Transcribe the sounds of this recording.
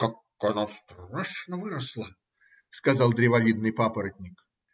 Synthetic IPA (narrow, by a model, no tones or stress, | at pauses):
kak | ɐnast̪aʂnəvɨɾəslˠə | skɐzɑlˠd̪ɾʲɪvɐvʲid̪̚nɨjpapəɾət̪̚ʲnʲɪk